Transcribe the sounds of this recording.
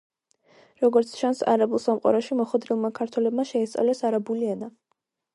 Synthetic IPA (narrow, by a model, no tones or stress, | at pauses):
ɾɔɡɔɾt̪sʰt͡ʃʰansa̰ɾabulˠsamqʼa̰ɾɔʃimɔχwɛd̪ɾilˠmakʰaɾt̪ʰwɛlɛbmaʃɛist̪sʼa̰vlɛsaɾabuliana